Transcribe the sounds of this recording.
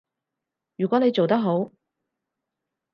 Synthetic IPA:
jyː˨˩kʷɔː˨˥ne˨˧jt͡so˨wt̪ɐ˥k̚ɦo˨˥w

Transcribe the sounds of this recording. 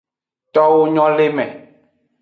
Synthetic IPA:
t̪ɔ˦wo˦ɲɔ̃˦le˦mɛ̰̃˨

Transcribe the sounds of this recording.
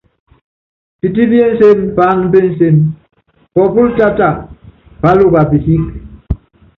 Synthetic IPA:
ti˨ti˦bi˦e˦n̩˦se˦mpa˦n̩˦be˦n̩˦se˦m | kɔ˨pu˦lta˦ta˨ | pa˦lo˦˨ba˨pi˨si˦k̚

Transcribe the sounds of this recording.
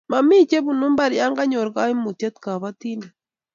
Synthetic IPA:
ma˨mi˦t͡ʃe˦βu˨nu˦mba˨ɾja˦ŋɡa˦ɲo˨ɾɡa˦i˦mu˨te˦t̪ka˨βa˦ti˦ne˨

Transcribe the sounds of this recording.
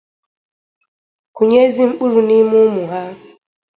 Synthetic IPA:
ku˨ɲe˦zi˦ŋ͡m̩˦k͡pu˦ɾu˨ni˦mu˦mu˨ɦa˦

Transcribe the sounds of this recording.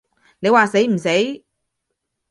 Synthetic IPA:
ne˨˧jwaː˨se˨˥jm̩˨˩se˨˥j

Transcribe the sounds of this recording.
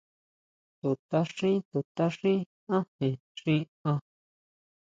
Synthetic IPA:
t̪u˨t̪a˦ʂĩ˦t̪u˨t̪a˦ʂĩ˦ | ã˦hẽ˨ | ʂĩ˦ | ã˧

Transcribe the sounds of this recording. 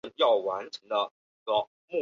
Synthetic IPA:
njɑ˥˩ʊwa˧˥nʈ͡ʂʰɤ˧˥ŋd̪ə˧ | i˧˥ɡə˧ | mu˥˩

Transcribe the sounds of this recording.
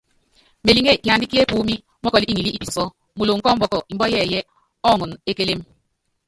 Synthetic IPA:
me˨li˦ŋe˦˨ki˨a˨n˦di˦ki˦e˦puː˦mi˦ | mɔ˦kɔ˨li˦i˦ŋi˨li˦ʔi˦˨pi˨sɔ˦ | mu˨lo˨ŋ̩˨kɔ˦m̩˦bɔ˦kɔ˨i˨m̩˦bɔ˦jɛ˦˨jɛ˦ | ɔ˦˨ŋu˨ne˦ke˦le˦m

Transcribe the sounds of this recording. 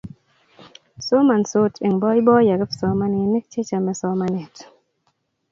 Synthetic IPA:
so˦ma˨nso˦te˨ŋbɔ˦i˦bɔ˦ja˨ɡɛ˦fsɔ˨ma˦ne˨˦ne˦k̚t͡ʃe˦t͡ʃa˨mɛ˨sɔ˦ma˦ne˨t

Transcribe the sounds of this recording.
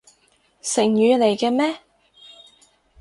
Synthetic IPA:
sɪ˨˩ŋjyː˨˧le˨˩jkɛː˧mɛː˥

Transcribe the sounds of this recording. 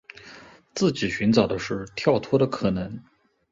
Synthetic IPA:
t͡sɹ̩˥˩t͡ɕi˨˩ɕy˧˥nʈ͡ʂɑ˨˩ʊd̪ə˦ʂɻ̩˥˩t̪ʰjɑ˥˩ʊt̪ʰwɔ˥ɾə˨kʰɤ˨˩nɤ˧˥ŋ

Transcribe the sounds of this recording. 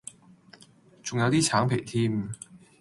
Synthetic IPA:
t͡sʊ˨ŋjɐ˨˧wt̪iː˥t͡sʰaː˨˥ŋpʰe˨˩jt̪ʰiː˥m

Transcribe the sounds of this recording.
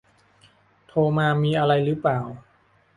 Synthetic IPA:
t̪ʰoː˧maː˧miː˧ʔa˧ɾa˧jɾɯː˦˥plaː˨˩w

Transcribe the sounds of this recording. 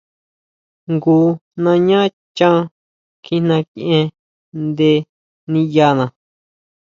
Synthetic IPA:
ŋɡuː˧˦nã˧ɲã˦ | t͡ʃã˦ | kʰĩ˧nã˧ki˧ʔẽ˧ | nd̪e˧ | nĩ˧ja˧nã˨

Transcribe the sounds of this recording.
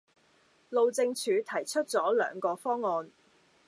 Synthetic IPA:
lo˨˧wt͡sɪ˧ŋt͡ʃʰyː˨˧t̪ʰɐ˨˩jt͡ʃʰɵ˥t̚t͡sɔː˨˥lœ̰ː˨˧ŋkɔː˧fɔː˥ŋːɔː˧n

